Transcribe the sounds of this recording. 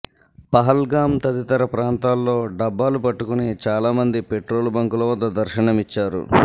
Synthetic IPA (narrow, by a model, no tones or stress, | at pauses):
pɐɦɐlɡaːmt̪ɐd̪it̪ɐɾɐpɾaːnt̪aːlːo̞ːɖɐbːaːlupɐʈːukunit͡ʃaːlaːmɐnd̪ipe̞ʈɾo̞ːlbɐŋkulɐʋɐd̪ːɐd̪ɐɾʃɐɳɐmit͡ʃːaːɾṵ